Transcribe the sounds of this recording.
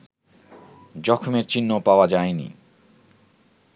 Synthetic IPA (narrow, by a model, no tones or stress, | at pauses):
d͡ʑɔkʰomeɾt͡ɕinːopaoad͡ʑajnḭ